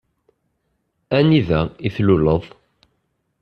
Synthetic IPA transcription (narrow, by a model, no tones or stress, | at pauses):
æniðæiθluləðˤ